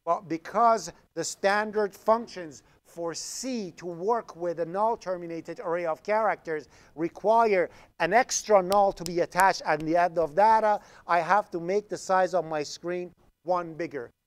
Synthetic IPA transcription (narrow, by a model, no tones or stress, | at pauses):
b̥ʌt̚b̥ɨkʰʌz | ðɨstæ̃ndə˞d̥fʌ̃ŋkʃɨ̃nz̥ | fə˞siɾʰəwɜ˞kʰwɪðɨnɔlˠtʰɜ˞mɨneɪɾɨɾə˞eɪəʌv̥kʰɛɹɨk̚tə˞z | ɹɨkʰw̥aɪə˞ | ɨ̃nɛkstɹ̥ənɔlˠtʰəbiɨtʰæt͡ʃtɨnðiɛ̃ndʌvðæɾə | aɪɦæftəmeɪk̚ðɨsaɪzə̃nmaɪskɹĩn | wʌ̃nbɪɡə˞